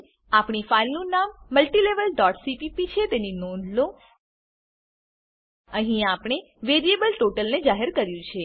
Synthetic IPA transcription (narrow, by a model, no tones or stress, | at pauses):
apɳ̃ifailnũnamːəlʈileʋəlɖɔʈsipipit͡ʃʰet̪eninonlo | əɦĩapɳ̃e | ʋeɾiebəlʈoʈəlned͡ʒaɦeɾkəɾjũt͡ʃʰe